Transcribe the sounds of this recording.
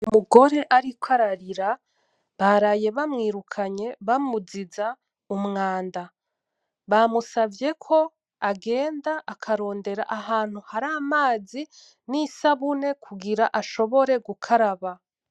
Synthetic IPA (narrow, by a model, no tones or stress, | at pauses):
umuɡo̞ɾe̞ʔaɾikwaɾaɾiɾa | βaɾajeβamŋiːɾukʰaɲe̞βamuziza | umŋaːnda | βamusavje̞kʰo̞ | aɡe̞ːndaʔakʰaɾo̞ːnde̞ɾa̰ʔaɦaːn̥huhaɾaːmaːzi | nisaβune̞kʰuɡiɾaʔaʃo̞βo̞ɾe̞ɡukʰaɾaβa